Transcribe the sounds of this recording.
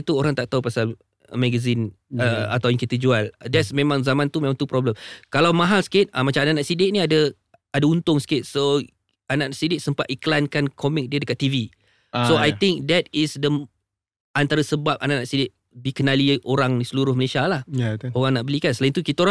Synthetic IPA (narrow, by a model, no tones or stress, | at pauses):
t̪uoɾaŋt̪aʔ̚t̪aupasal | mɛɡəzinəa̰t̪awjəŋkit̪əd͡ʒualdɛtsmẽmãŋzamãnt̪umẽmãŋt̪upɾɔbləmkalawmãɦalsə̥kɪt̪̚amat͡ʃamanaʔnak̚sidɪʔ̚niadə | adaunt̪ʊŋsəkɪt̪̚so | anaʔnsidɪʔ̚səmpat̪iklankankʰɔmɪk̚diədəkat̪ːivi | soajt̪ɪŋk̚dɛt̪̚ɪsdə | ant̪aɾəsəbap̚anaʔnaʔsidɪʔ̚ | bikənalioɾaŋdisəluɾʊhməlesialaheoɣaŋnaʔbəlikansəlaint̪ukit̪aoɾa